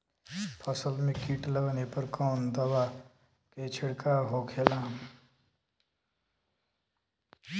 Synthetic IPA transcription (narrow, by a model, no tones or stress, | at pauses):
pʰəsəlmẽkiːʈləʋnepəɾkɔːnd̪ɐwaː | keːt͡ʃʰɪɽkaːɦoːkʰeːlaːm